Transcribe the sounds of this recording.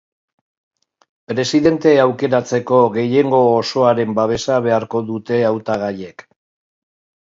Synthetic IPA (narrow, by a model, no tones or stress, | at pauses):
pɾe̞siðe̞nt̪e̞awke̞ɾat͡se̞ko̞ɣe̞je̞ŋɡo̞ːso̞aɾe̞mbaβ̞e̞saβ̞e̞aɾko̞ðut̪e̞awt̪aɣaje̞k